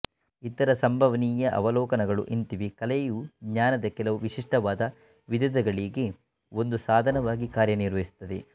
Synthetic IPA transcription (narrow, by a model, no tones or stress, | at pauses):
it̪ːɐɾɐsɐmbʱɐʋɐniːjɐʔɐ̰ʋɐlɔːkɐnɐɡɐɭṵʔint̪iʋikɐlejuɡɲaːnɐd̪ɐkɛlɐʋuʋiʂiʂʈɐʋaːd̪ɐ | ʋid̪ɐd̪ɐɡɐɭiːɡe | o̞nd̪usaːd̪ʱɐnɐʋaːɡikaːɾjɐniɾʋɐɦisu̥t̪ːɐd̪ḛ